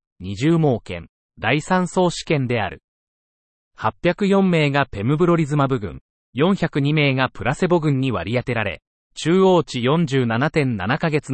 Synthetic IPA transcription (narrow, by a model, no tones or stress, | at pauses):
ɲ̟iʑɨːmo̞ːkẽ̞̰n | d̪aisãɰ̃so̞ːɕi̥kẽ̞nd̪e̞a̰ɾɯ̟̰ | hapʲːjakɯ̟jõ̞mːe̞ːɡape̞mɯ̟bɯ̟ɾo̞ɾʲizɨmabɯ̟ɡɯ̟̰̃ŋ | jõ̞ɰ̃çakɯ̟ɲ̟ime̞ːɡapɯ̟ɾase̞bo̞ɡɯ̟̃ɲ̟ːiβa̰ɾʲijat̪e̞ɾaɾe̞̰ | t͡ɕɨːo̞ːt͡ɕijõ̞ɲ̟d͡ʑɨːnanat̪ẽ̞nːa̰nakaɡe̞t͡sɨ